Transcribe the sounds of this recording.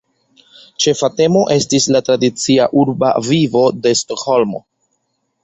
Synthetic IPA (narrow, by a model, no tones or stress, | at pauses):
t͡ʃe̞fate̞mo̞ʔe̞stislatɾadit͡siaʔuɾba̰vivo̞de̞sto̞kho̞lmo̞̰